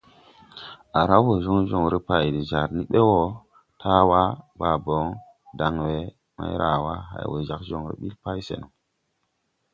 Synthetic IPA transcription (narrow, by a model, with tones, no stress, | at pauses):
a˨ɾa˦wo˨zo˦ŋʒo˦˨ŋɾe˦pa˨jdi˨za˨ɾni˦ɓe˦wo˦ | tʰa˦wa˦ba˨bo˨˦ŋ | da˨ŋwe˨˦ | ma̰˦jɾʔa˨wa˦ɦa̰˨jwo̰˨ʒa˨kʒo˨ŋɾḛ˦ɓi˦lpa˦jsḛ˨nu˨